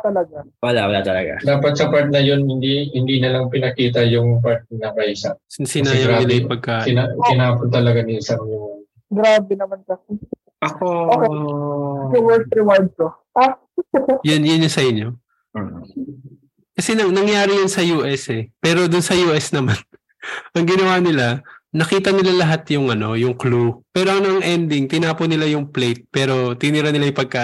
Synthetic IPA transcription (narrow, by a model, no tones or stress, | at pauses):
t̪ɐlɐɡa | wɐla̰wɐlaːt̪ɐlɐ̰ɡa̰d̪aːpɐt̪̚sɐpaɹt̪̚nɐjonhɪnd̪ihɪnd̪iːnɐlɐŋpɪnɐkiːt̪ɐjʊŋpaɹt̪̚nɐpɐʔiːsasɪnaːjɐwnɪnɐjɪpɐɡ̚kaːʔɪnakɪnaːpʊnt̪ɐlɐɡanɪsɐŋlʊ | ɡɾaːbɛnɐmankɐsi | ʔɐkoʔokɛ | iwɛɹt̪ɾiwaɹd̪t̪o | a | jʊnjʊnjʊsɐʔɪɲjo̞ | kɐsɛnɐnɐŋjaːɾɪjansɐjuːʔɛsɛpɛːɾo̞d̪ʊnsɐjuːʔɛsnɐman | ʔɐŋɡɪnɐwaːnɪlanɐkiːt̪ɐnɪlalɐɦat̪jʊŋɐno̞jʊŋklupɛːɾo̞ɐŋnʔɐŋʔɛnd̪ɪŋt̪ɪnaːponɪlajʊŋplejt̪̚pɛːɾo̞t̪ɪnɪɾanɪlajʊpɐɡ̚ka